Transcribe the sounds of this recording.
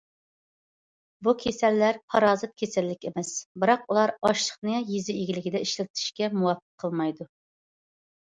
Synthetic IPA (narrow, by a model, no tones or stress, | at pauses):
bukʲʰesɛlːæɾpʰɑɾɑːzɨt̪̚kʲʰesɛlːɪkʲemɛsbɨɾɑqulˠɑɾɑʃlˠəχnɨjizɪiɡʲilɪɡʲɪd̪ɛiʃlɪt̪ʰɪ̥ʃkʲɛmuwɑfːə̥qʰːəlˠmɑjd̪u